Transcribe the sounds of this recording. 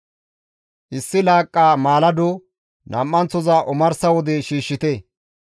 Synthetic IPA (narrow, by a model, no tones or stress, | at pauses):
ʔɪsːɪlaːkʼːaːmaːlɐd̪ʊ | nʔɐmːɐnt͡sːɔzɐʔʊmɐɾsɐwɔd̪ɛʃiːʃːɪt̪ɛ